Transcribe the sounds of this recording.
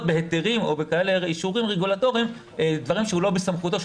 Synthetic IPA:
t̚beɦet̪eʁimo̞̰bekaeleiʃuʁimʁeɡulato̞ʁiim | d̪vaʁimʃehulo̞besamχut̪o̞ʃ

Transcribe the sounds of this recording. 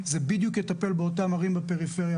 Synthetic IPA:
zebid̪jukjet̪ape̞lbeotamaʁimbepe̞ʁifeʁja

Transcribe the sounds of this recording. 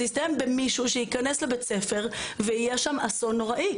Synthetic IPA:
ist̪ajembemiʃuʃeikaneslebet͡sefe̞ʁveijɛʃamasonoʁaʔi

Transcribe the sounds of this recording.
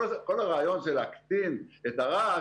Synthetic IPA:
ko̞laʁaːjo̞nʃelakt̪inet̪aʁa

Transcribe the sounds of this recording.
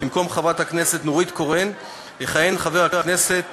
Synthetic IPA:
imko̞mχavat̪hakne̞se̞t̪noʁit̪ko̞ʁen | heχaje̞nχave̞ʁaʁkne̞se̞t

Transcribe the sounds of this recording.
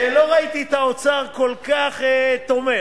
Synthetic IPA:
lo̞ʁait̪iet̪aot͡saʁko̞lkaχet̪o̞me

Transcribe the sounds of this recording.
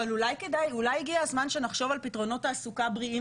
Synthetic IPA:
valulajke̞dajulajiɡiazmanʃe̞naχʃo̞valpitʁo̞no̞taːsukabʁii

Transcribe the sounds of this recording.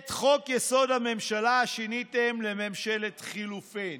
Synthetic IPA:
t̪χo̞kjeso̞dhame̞mʃalaaʃinitemlememʃele̞t̪χilufin

